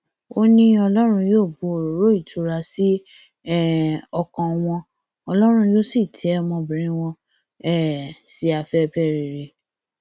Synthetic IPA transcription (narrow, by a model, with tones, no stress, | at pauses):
o˦nĩ˦ɔ˧lɔ˦ɾ̃ũ˧joː˦˨bu˨˦o˨ɾo˨ɾo˦i˦˨tu˧ɾa˧si˦ | ɛ˦˨ɔ˧kɔ̃˧w̃ɔ̃˧ | ɔ˧lɔ˦ɾ̃ũ˧jo˦si˦˨tʰɛ˨˦ɛ˦mɔ̃˧bĩ˨ɾ̃ĩ˦w̃ɔ̃˧ | ɛ˦˨si˧a˨fɛ˦fɛ˦ɾi˨ɾe˧